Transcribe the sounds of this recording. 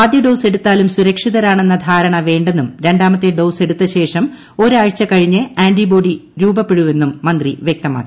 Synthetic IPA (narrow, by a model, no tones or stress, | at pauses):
aːd̪jɐɖowse̞ɽut̪ːaːlumsuɾɐkʂiðɐɾaːɳe̞nːɐd̪ʱaːɾɐɳɐʋe̞ːɳɖe̞nːumɾe̞ɳɖaːmɐt̪ːeɖowse̞ɽut̪ːɐɕe̞ːʂɐm | o̞ɾaːɻt͡ɕːɐkɐɻiɲːɨaːɳɖibo̞ːɖiɾuːbɐpːe̞ɻuʋe̞nːumːɐnd̪riʋjek̚t̪ɐma̰ːkːi̥